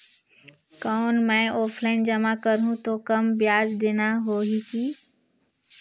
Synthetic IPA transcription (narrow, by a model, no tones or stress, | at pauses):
kɔːnmɛ̃ːʔɔːpʰlaːɪnd͡ʒəmakəɾɦũt̪okɐmbjaːd͡ʒd̪eːnaɦoːɦikiː